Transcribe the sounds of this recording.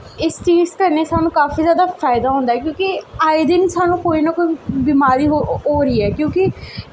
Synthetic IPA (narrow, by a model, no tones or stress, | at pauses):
ɪst͡ʃiːzkəɾneːsaːnũːkaːfiːzjaːd̪aːfʰaːɪd̪aːɦõːnd̪aɦɛkjõːkɪaːɪd̪ɪnsaːnũːkoːiːnakoːibiːmaːɾiːɦoɦoːɾəiːɛːkjõːkɪ